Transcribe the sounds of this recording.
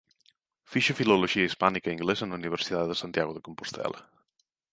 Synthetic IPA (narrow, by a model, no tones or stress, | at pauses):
fiʃefiloloʒiaispanikaiŋɡlezənuniβeɾsit̪aððəsant̪jaɣoðekompo̥st̪ʰɛ̰la̰